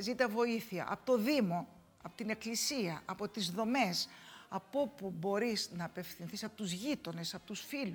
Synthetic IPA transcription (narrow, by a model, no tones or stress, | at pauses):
zit̪ɐvo̞iθiɐ̰ʔɐ̰po̞t̪o̞ðimo̞ | ɐpo̥t̪ine̞klisiɐʔɐpo̞t̪izðo̞me̞sɐpo̞pubo̞ɾiznɐːpe̞fθinθisɐpo̞t̪uzʝit̪o̞ne̞sɐpo̞t̪usfilu